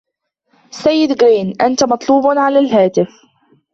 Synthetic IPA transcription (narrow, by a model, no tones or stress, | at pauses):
sajːɪd̪ɡɾiːnʔant̪amɑt̪ˤluːbnʕalaːlɦaːt̪ɪf